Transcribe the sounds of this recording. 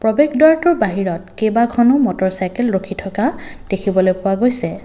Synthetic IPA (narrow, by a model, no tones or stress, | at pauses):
pɹɔbeɡdɔɹatʊɹbaɦiɹɔt̚kejbakʰɔnomɔtɔɹsajkɛlɹokʰitʰɔkad̥ekʰibɔlojpʊwaɡojsɛ